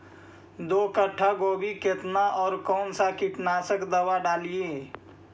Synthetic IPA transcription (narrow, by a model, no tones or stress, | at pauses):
d̪oːkəʈʰːaɡoːbʱikɪt̪naʔɔːɾkɔːnsakɪʈnaːsəkd̪əwaɖaːlieː